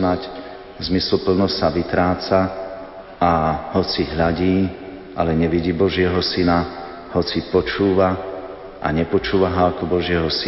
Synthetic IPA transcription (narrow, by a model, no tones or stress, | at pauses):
nac | zmisl̩pl̩nɔssaʋit̪ɾaːt͡sa | ahɔt͡siɦʎaɟiː | ʔalɛɲɛʋiɟiːbɔʒɪɛɦɔsina | hɔt͡sipɔt͡ʃuːʋa | ʔa̰ɲɛpɔt͡ʃuːʋaɦaːkɔbɔʒɪɛɦɔs